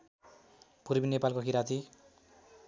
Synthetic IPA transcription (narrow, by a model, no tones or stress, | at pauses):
puɾbinepalkokiɾat̪ʰi